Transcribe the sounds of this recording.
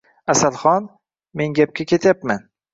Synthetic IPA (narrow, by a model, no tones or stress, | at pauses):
asalˠχɒn | me̞ŋɡʲap̚kʲakʲʰe̞t̪ʰjapman